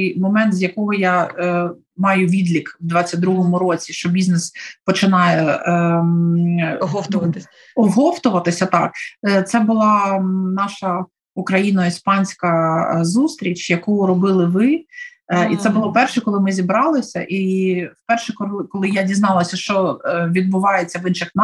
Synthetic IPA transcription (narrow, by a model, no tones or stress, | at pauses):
jmɔmɛnt̪zʲjɐkɔɦɔjɑ | mɑjʊʋʲid̪lʲikwd̪ʋɑt͡sʲːɐt̚ʲd̪ɾuɦɔmʊɾɔt͡sʲiʃt͡ʃɔbʲiznɛspɔt͡ʃɪnɑjɛ | ɦɔft̪ʊʋɐt̪ | ɔɦɔft̪ʊʋɐt̪ɪsʲɐt̪ɑkt̪sɛbʊlˠɑnɑʃɐ | ukɾɐjinɔispɑnʲsʲkɐzust̪ɾʲit͡ʃʲjɐkujʊɾɔbɪlˠɪʋɪ | it̪sɛbʊlˠɔpɛrʃɛkɔlˠɪmɪzʲibɾɑlˠɪsʲɐ̰ʔiwpɛrʃɛkɔlˠkɔlˠɪjadʲiznɑlˠɐsʲɐʃt͡ʃɔʋʲid̪̚bʊʋɑjet͡sʲːɐʋɪnʃɪxn